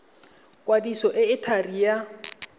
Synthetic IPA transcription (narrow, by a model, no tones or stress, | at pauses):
kʼwadisɔʔɪɪtʰarija